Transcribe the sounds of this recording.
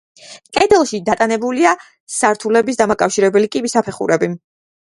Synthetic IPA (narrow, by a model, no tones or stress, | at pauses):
kʼɛd̪ɛlˠʃid̪at̪ʼanɛbulia | saɾt̪ʰulɛbis̬d̪amakʼafʃiɾɛbɛlikʼibisapʰɛχṵɾɛbi